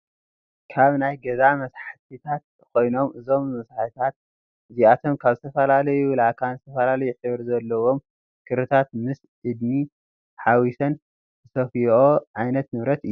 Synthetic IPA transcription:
kʰaβnajɡɐzamɐsħat̪ʰit̪ʰat̪̚ | kʰo̞jno̞mʔɨzo̞mːɐsħt̪ʰat̪̚ | ɨziat̪ʰo̞mkʰaβzɨt̪ʰɐfɐlalɐjulakʰanzɨt̪ʰɐfɐlalɐjuʔɨβɨɾzɐlːɐwo̞m | kʰɨɾɨt̪ʰat̪mɨs | ʔɨd̪ni | ħawisɐn | zɨsɐfioʕajnɐt̪nɨβɾɐt̪ɨjːu

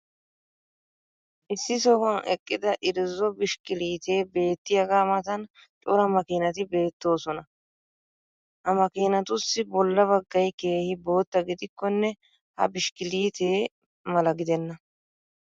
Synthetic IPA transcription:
ʔɪsːɪsɔhɔnɛkʼːɪd̪ɐʔɪɾɪzːɔbɪʃkɪliːt̪e̞ːbe̞ːt̪ːɪjɐɡaːmɐt̪ɐn | t͡ʃʼʊɾɐmɐkiːnɐt̪ɪbe̞ːt̪ːo̞ːsɔnɐ | hɐmɐkiːnɐt̪ʊsːɪbɔlːɐbɐɡːɐjke̞ːhɪbo̞ːt̪ːɐɡɪd̪ɪkːɔnːɛ | hɐ̰bɪʃkɪliːt̪eː | mɐlɐɡɪd̪ɛnːɐ

